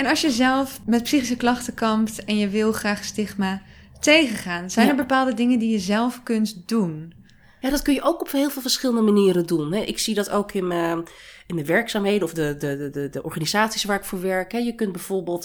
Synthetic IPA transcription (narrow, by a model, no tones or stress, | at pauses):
ɛnɑlˠsjəzɛlˠfmɛt̚psiχis̬əklɑχtəkɑmptɛnjəʋɪlˠχraːχstɪχmaː | tejχəχaːnz̥ɛjnɛɹbəpaːlˠdədɪŋəndijəzɛlˠfkɵntdun | jaːdɑtkɵnjəʔowkɔphɪːlˠvɪːlˠvəɹsχɪləndəmaniːɾədunɦɛʔɪksidɑtowkɪnə | ɪndəʋɛɹksaːmɦejdəɔfdədədədəʔɔɹχanizaːtsisʋaːɹɪkfʊːɹʋɛɹkɦɛjəkɵnt̚bɛjv̥oɹbeːlˠt